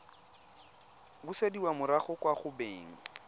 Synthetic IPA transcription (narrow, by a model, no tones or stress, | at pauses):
bʊsediwamʊɾaχʊkʼwaχʊbeːŋ̩